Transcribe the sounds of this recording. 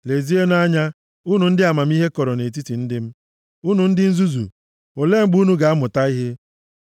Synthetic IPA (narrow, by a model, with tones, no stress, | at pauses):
le˨zi˦e˦n˦a˦ɲa˦ | u˦nu˨n̩˦dɪ˦a˨ma˨m̩˦i˦ɦe˦kɔ˨ɾɔ˨ne˨t̬i˦ti˨n̩˦dɪ˦m̩˦ | u˦nu˨n̩˦dɪ˦n̩˦zu˦zṵ˨ | o˨le˦ŋ͡m̩˦ɡ͡bu˦nu˦ɡa˨a˦mʊ˨ta˦i˦ɦe˦